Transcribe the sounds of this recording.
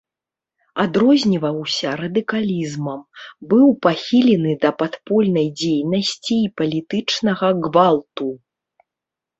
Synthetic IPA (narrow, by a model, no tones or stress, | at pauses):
ad̪ɾɔzʲnʲivɐwsʲɐɾɐd̪ɨkalʲizmɐmbɨwpaxʲilʲɛnɨd̪ɐpat̪pɔlʲnɐjd͡zʲejnɐsʲt͡sʲiːpɐlʲit̪ɨt͡ʂnɐɣɐɣvalˠt̪u